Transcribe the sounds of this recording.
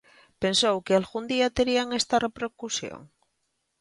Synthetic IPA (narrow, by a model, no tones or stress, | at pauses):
pensowkealɣund̪iat̪eɾiaŋest̪arepɾeɾkusjo̰ŋ